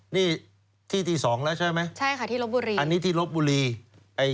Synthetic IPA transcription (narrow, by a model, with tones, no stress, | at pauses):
niː˥˩ | t̪ʰiː˥˩t̪iː˧sɔː˩˦ŋlɛː˦˥wt͡ɕʰa˥˩jma˦˥jt͡ɕʰa˥˩jkʰa˥˩t̪ʰiː˥˩lo˦˥p̚buː˧ɾiː˧a˧nːiː˦˥t̪ʰiː˥˩lo˦˥p̪̚buː˧ɾiː˧ | ʔa˧j